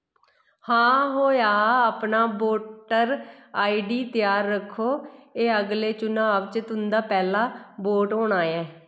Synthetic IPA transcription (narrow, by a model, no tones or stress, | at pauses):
hãːɦoːjaːaːpnaːboːʈəɾaːiːɖiːt̪ɪjaːɾːəkʰːoːeːəɡleːt͡ʃʊnãːəʋt͡ʃət̪ɦʊnd̪aːpɛːlaːboːʈɦoːɳaːjɛː